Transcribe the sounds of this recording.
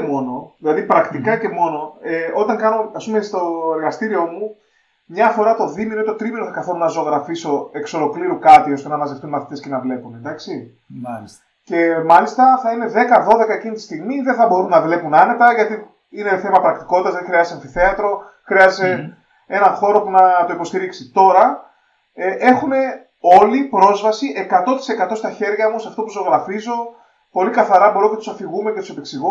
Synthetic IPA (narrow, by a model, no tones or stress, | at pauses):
mo̞no̞ðilɐðipɾɐkt̪ikɐce̞mo̞no̞eo̞t̪ɐŋkɐno̞ɐspumest̪o̞eɾɣɐst̪iɾio̞mu | mɲɐfo̞ɾɐt̪o̞ðimiint̪o̞t̪ɾimenoθɐkɐθolunɐzo̞ɣɾɐfiso̞e̞kso̞lo̞kliɾukɐt̪io̞st̪e̞nɐmɐzeft̪unmɐθi̥t̪e̞sce̞nɐvle̞punend̪ɐksi | ce̞mɐlist̪ɐθɐine̞ðe̞kɐðo̞ðe̞kɐecinit̪i̥st̪iɣmiðenθɐbo̞ɾunɐvle̞punɐne̞t̪ɐʝɐt̪i | ine̞θe̞mɐpɾɐkt̪i̥kot̪it̪ɐzðexɾiɐze̥t̪eɐɱfiθe̞ɐt̪ɾo̞ | xɾiɐze | e̞nɐŋxo̞ɾo̞punɐt̪o̞ipo̞st̪iɾiksit̪o̞ɾɐ | eʔe̞xume̞ | o̞lipɾo̞zvɐsiʔe̞kɐt̪o̞t̪ise̞kɐt̪o̞st̪ɐçe̞ɾʝɐmusɐft̪o̞pusoɣɾɐfizo̞ | po̞likɐθɐɾɐbo̞ɾocenɐt̪u̥sɐfiɣume̞ce̞t̪usepeksiɣu